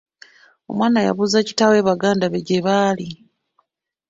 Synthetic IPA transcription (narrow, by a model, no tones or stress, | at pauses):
o̞̰mwaːnaja̰βuzaci̥tawe̞ːβaɡaːndaβeɟeβaːli